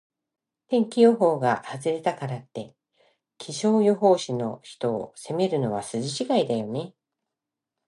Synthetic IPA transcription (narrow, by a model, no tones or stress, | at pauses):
t̪ẽ̞ŋkʲijo̞ɦo̞ːɡahazɨɾe̞t̪akaɾat̪ːe̞ | kʲʰiɕo̞ːjo̞ɦo̞ːɕino̞çi̥t̪o̞ːse̞me̞ɾɯ̟no̞βasɨʑiɕiɡaid̪ajo̞ne̞